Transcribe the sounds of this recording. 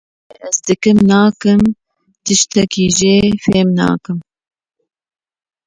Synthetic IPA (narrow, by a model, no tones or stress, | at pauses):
eʔɛzd̪ɨkɨmnɑːkɨm | t̪ɨʃt̪ɛkiːʒeːfeːmnɑ̰ːkɨm